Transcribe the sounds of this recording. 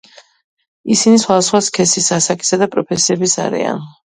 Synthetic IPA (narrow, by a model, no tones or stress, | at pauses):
isinisχwad̪asχwaskʰɛsisasakʼi̥sad̪apʼɾɔpʰɛsiɛbisa̰ɾḭa̰n